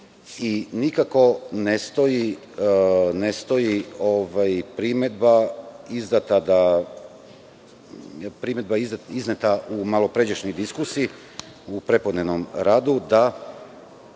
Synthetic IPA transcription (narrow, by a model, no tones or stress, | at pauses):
inikako̞nest̪o̞ji | ne̞st̪o̞jioʋajpɾime̞d̪baizd̪at̪ad̪a | pɾime̞d̪baiziznet̪aʔumalo̞pɾe̞d͡ʑeʃnojd̪iskusii | upɾe̞po̞d̪nenomɾaːd̪ud̪a